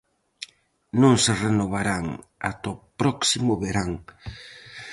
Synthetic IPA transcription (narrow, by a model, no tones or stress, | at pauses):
nõŋserenoβaɾaŋa̰t̪opɾɔksimʊβeɾaŋ